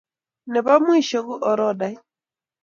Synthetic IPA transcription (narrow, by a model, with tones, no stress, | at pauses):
nɛ˨βa˦mwi˦ʃɔ˨ɣu˦ʔɔ˨ɾɔ˦da˨i˦